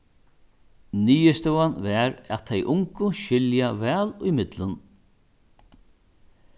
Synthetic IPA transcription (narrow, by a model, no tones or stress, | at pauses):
niːəst̪ɔwanvɛɾa̰t̪ʰɛjʔʊŋkʊʃɪljavɛːlʊjmɪt̪lən